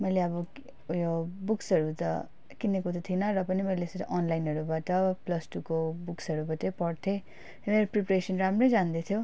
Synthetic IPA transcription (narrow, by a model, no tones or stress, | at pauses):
mʌjleʌbʌ | jobuksʌɾut̪ʌ̰ | kinekut̪ʌt̪ʰinʌrʌpʌnimʌjlesʌt̪ʔʌnlajinɦʌɾubaʈʌplʌsʈukobuksʌɾubatʌjpʌɽt̪ʰe | emeɾopripresʌnramrʌjd͡zand̪et̪ʰjo